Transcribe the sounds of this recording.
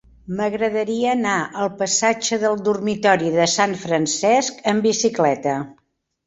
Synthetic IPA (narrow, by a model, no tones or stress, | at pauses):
məɣɾəðəɾiəːnaʔəlˠpəsad͡ʒəðəlˠd̪urmit̪ɔɾiðəsaɱfɾənsɛskəmbisiklɛt̪ə